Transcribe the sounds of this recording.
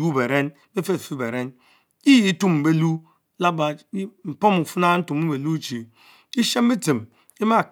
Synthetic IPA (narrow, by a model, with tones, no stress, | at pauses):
u˦be˨ɾe˦n˦be˦fe˦˨fi˦be˨ɾe˦n | i˦ji˦tu˦m̩˨be˦lu˦ | la˦ba˨˦m̩˨po˦mu˨fu˦na˦n̩˦tu˨mu˦be˨lu˦t͡ʃi˨ | i˦ʃe˦mbi˦ti˨m | i˦ma˦˨